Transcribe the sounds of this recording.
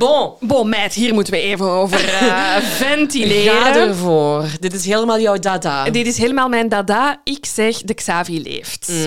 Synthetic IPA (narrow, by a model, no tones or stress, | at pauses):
bobomɛːtɦiːrmutəʋəeːvənoːvərvɛntileːadərvoːrdɪtɪsɦeːləmaːlˠjœwdaːdaːdɪtɪsɦeːləmaːlˠmɛjndadaːɪksɛxdəksaːvilḛːft